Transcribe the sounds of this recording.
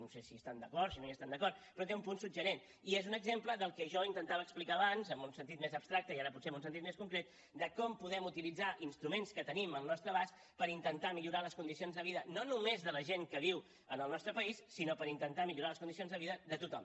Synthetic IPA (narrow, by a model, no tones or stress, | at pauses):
nosesiəst̪and̪əkɔɾsinojəst̪and̪əkɔɾt̪pɾɔt̪eumpunsubʒəɾen | iezunəɡzempləðəlˠkɛʒɔint̪ənt̪aβəːksplikaːβanzəmbunsənt̪it̪mezəpst̪ɾak̚t̪əiaɾəp̬utseɛmbunsənt̪it̪̚meskuŋkɾet̪ | d̪əkɔmpuðɛmut̪ilid͡zaʔinst̪ɾumenskət̪əniməlˠnɔst̪ɾəβas | pəɾint̪ənt̪amiʎuɾaləskund̪isionzðəβiðənonumezðələʒeŋkəβiw | ənəlˠnɔst̪ɾəpəisːinopəɾint̪ənt̪amiʎuɾaləskund̪isionzðəβiðəðət̪ut̪ɔm